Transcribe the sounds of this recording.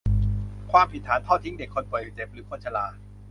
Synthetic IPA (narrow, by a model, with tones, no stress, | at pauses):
kʰwaː˧mpʰi˨˩t̪ʰːaː˩˦npʰa˥˩wt̪ʰi˦˥ŋde˨˩kʰːo˧npɔ˨˩˨jt͡ɕe˨˩p̚ɾɯː˩˦kʰo˧nt͡ɕʰa˧laː˧